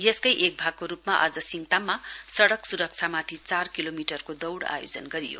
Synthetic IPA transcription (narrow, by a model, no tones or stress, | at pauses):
jʌskʌjʔek̚bʱaɡ̚koɾupmaʔʌd͡zʌsiŋt̪amːasʌɽʌksuɾʌk̚t͡sʰamat̪ʰit͡sarkilomiʈʌrkod̪ʌwɽa̰jod͡zʌnɡʌɾḭjo̰